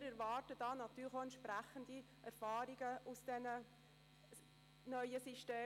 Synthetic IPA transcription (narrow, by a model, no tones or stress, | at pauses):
ɾɛɾvɑːrtəd̥ɑːnɑt̪yːləxoɛnt̪ʃpɾæχəndi | ʔɛɾfɑːɾiɡ̥əʔusd̥ɛnə | nœʏəsiʃteː